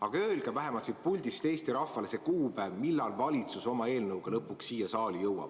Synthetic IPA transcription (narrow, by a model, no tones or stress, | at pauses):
ɑɡ̥ɑøːlɡ̥ɑvæɦe̞mɑlt̪sit̪̚pulʲd̪̥ist̪e̞ːst̪iɾɑfːɑle̞sekuːpævmilːɑlvɑlʲit̪suso̞mɑe̞ːlnɤwɡ̥elɤpːˑuksːiːjɑsɑːlʲijɤwɑ̰b̥